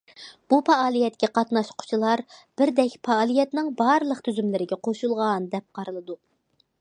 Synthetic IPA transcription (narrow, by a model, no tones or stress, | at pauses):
b̥upɑːlˠijɛt̪kʲɛqɑt̪nɑʃqʰʊ̥t͡ʃʰilˠɑɾb̥ɪɾd̪ɛkʲpʰɑːlˠijɛt̪nɪŋbɑɾlˠəqt̪ʰyzymlɪɾɪɡʲɛqʰoʃulˠʁɑnd̪ɛp̚qɑɾɨlˠɨd̪u